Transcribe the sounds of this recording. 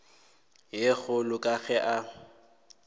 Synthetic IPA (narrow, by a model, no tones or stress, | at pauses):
jeɣʊlʊkʼaɣɛʔa